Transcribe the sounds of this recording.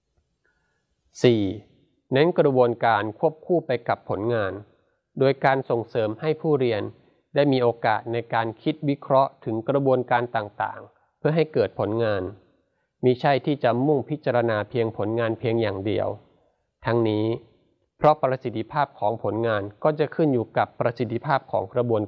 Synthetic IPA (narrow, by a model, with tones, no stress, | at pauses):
siː˨˩ | nɛ˦˥nkɾa˧bu˧ənkaː˧nkʰu˥˩əp̚kʰuː˥˩pa˧jka˨˩pʰːo˩˦nŋaː˧n | doː˧jkaː˧nso˨˩ŋsɤː˩˦mha˥˩jpʰuː˥˩ɾi˧ən | daː˥˩jmiː˧ʔoː˧kaː˨˩t̪̚na˧jkaː˧nkʰi˦˥t̪̚wi˦˥kʰɾɔ˦˥ʔt̪ʰɯ˩˦ŋkɾa˧bu˧ənkaː˧nt̪aː˨˩ŋt̪a̰ː˨˩ŋ | pʰɯ˥˩ɐɦa˥˩jkɤː˨˩t̪̚pʰo˩˦nŋaː˧n | miː˧˩t͡ɕʰa˥˩jt̪ʰiː˥˩t͡ɕa˨˩mu˥˩ŋpʰi˦˥t̪̚t͡ɕa˧ɾa˧naː˧pʰi˧əŋpʰo˩˦nŋaː˧npʰi˧əŋjaː˨˩ŋdḭ˧əw | t̪ʰa˦˥ŋniː˦˥ | pʰɾɔ˦˥pɾa˧si˨˩t̪ʰːi˧pʰaː˥˩p̚kʰɔː˩˦ŋpʰo˩˦nŋaː˧nkɔː˥˩t͡ɕa˨˩kʰɯ˥˩njuː˨˩ka˨˩pːɾa˧si˨˩t̪ʰːi˧pʰaː˥˩p̚kʰɔː˩˦ŋkɾa˧bu˧ən